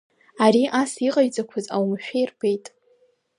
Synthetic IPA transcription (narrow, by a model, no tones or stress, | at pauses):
aɾiʔasiqʼaɥd͡zʼakʷʰaza̰wmʃᶣejrbejtʼ